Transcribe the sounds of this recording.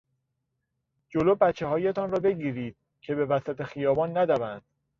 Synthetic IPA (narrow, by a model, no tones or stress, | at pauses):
d͡ʒoloːbæt͡ʃʰːe̞ɦɒːjet̪ʰɒnrɒːbe̞ɟiːɾiːd̪̥̚ | cʰe̞be̞væsæt̪ʰe̞xijɒːbɒːnːæd̪ævænd̪̥̚